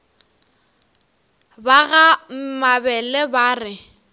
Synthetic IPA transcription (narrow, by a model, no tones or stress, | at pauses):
baɣam̩mabɛlɛbaːrɪ